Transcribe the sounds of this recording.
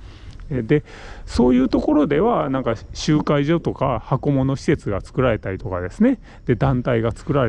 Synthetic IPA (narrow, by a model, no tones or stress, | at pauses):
ed̪e̞ | so̞ːjɯ̟ːt̪o̞ko̞ɾo̞d̪e̞βanãŋkaɕɨːkaiʑo̞t̪o̞kahako̞mo̞no̞ɕi̥se̞t͡sɨɡat͡sɨ̥kɯ̟ɾaɾe̞t̪aɾʲit̪o̞kad̪e̞sɨne̞ | d̪̥e̞d̪ãnt̪aiɡat͡sɨ̥kɯ̟ɾaɾe